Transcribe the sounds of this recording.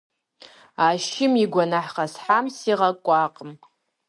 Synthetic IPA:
aʃɪmiɡʷanaħχasħamsiʁakʷʼaqʼəm

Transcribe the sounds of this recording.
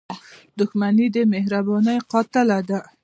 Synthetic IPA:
d̪ʊxmanid̪əmehɾabɑnəjqɑt̪ɪlad̪a

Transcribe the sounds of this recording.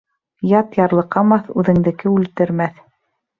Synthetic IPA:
jɑt̪jɑɾlˠɤ̆qɑmɑθʉðɘ̆ŋd̪ɘ̆kɘʉlt̪ɘ̆ɾmæθ

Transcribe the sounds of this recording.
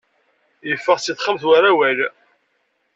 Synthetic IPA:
jəfːəʁsiθχəmθwaɾˤæwæl

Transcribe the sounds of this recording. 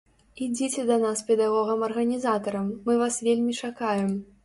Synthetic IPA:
id͡zʲit͡sʲɛd̪ɐnaspʲɛd̪aɣɔɣɐmɐrɣɐnʲizat̪ɐɾɐmːɨvasvʲelʲmʲit͡ʂakajɛm

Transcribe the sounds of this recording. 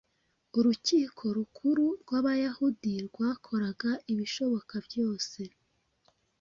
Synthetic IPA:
uɾuciːkʰo̞ɾukʰuɾuɾɡwaβajahudiɾɡwaːkʰo̞ɾaɡaʔiβiʃo̞βo̞kabjo̞ːse̞

